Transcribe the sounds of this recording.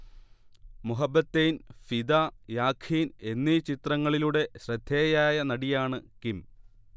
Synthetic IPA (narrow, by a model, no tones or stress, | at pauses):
muɦɐbːɐt̪ːejnfid̪aːjaːkʰiːne̞nːit͡ɕit̪rɐŋːɐɭiluɽe̞ɕrɐd̪ʱːeːjaːjɐnɐɽijaːɳɨkim